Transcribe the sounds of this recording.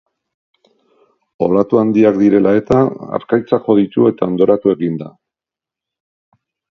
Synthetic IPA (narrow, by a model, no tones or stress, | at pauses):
o̞lat̪uand̪iakd̪iɾe̞lae̞t̪aa̰ɾkajt͡saʝo̞ðit̪ue̞t̪ao̞nd̪o̞ɾat̪ue̞ɣind̪a